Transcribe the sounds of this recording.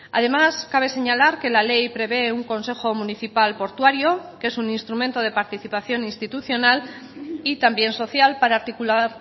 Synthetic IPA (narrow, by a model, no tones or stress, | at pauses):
a̰ð̞e̞maskaβ̞e̞se̞ɲalaɾke̞lale̞jpɾe̞β̞e̞uŋko̞nse̞xo̞mũniθipalpo̞ɾt̪waɾjo̞ke̞suninst̪ɾumẽnt̪o̞ð̞e̞paɾt̪iθipaθjo̞nĩnst̪it̪uθjo̞nal | it̪ambje̞nso̞θjalpaɾaːɾt̪ikulaɾ